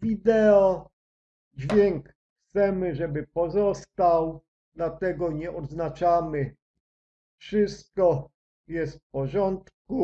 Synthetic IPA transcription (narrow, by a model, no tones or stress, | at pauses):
vʲid̪ɛɔ | d͡ʑvʲjɛŋk | xt̪sɛmɘʐɛbɘpɔzɔst̪aw | d̪lat̪ɛɡɔɲɛʔɔd̪znat͡ʂamɘ | fʂɘst̪̚kɔ | jɛst̪pɔʐɔnt̪ku